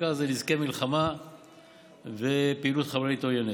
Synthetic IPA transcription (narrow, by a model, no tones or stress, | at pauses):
azelizkemilχama | vepeilut̪χaveʁit̪ojene